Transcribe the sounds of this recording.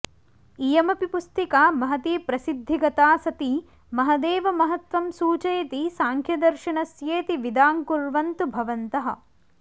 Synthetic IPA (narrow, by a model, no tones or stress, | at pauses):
ijɐmɐpipust̪ikaːmɐɦɐt̪iːpɾɐsid̪ʱːiɡɐt̪aːsɐt̪i | mɐɦɐd̪eːʋɐmɐɦɐt̪ʋɐmsuːt͡ʃɐjt̪isaːŋkʰjɐd̪ɐɾʃinɐsjeːt̪iʋid̪aːŋkuɾʋɐnt̪ubʱɐʋɐnt̪ɐɦɐ̰̆